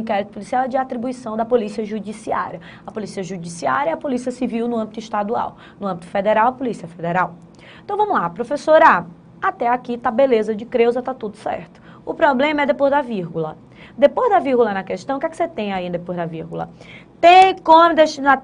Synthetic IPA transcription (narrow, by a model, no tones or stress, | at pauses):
ĩkɛɾit̪ʊpolisiawɛd͡ʒɪat̪ɾibuisɐ̃w̃d̪ɐpolisiɐʒud͡ʒisia̰ɾjɐ | ɐpolisiɐʒud͡ʒisiaɾjɐiɐpolisiɐsiviwnʊɐ̃bit̪ʊiʃt̪ad̪ua̰w | nʊɐ̃mbit̪ʊ̥fed̪eɾawɐpolisiɐfed̪eɾaw | ẽt̪w̃vɐ̃mʊlapɾofesoɾa | at̪ɛakit̪abelezɐd͡ʒɪkɾewzɐt̪at̪ud̪ʊsɛ̰ɾt̪ʊ̥ | ʊpɾɔblẽmɐɛd̪epojzd̪aviɾɡulɐ | d̪epozd̪ɐviɾɡulɐnɐkɛʃt̪ɐ̃w̃kɛkɪ̥set̪ẽj̃aĩd̪d̪epozd̪ɐviɾɡulɐ̰t̪ẽkõmd̪eʃt͡ʃina